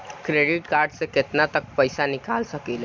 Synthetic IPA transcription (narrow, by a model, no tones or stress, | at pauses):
kɾeɖiʈkaɾɖsẽket̪nat̪ək̚pəɪsanikalsəkel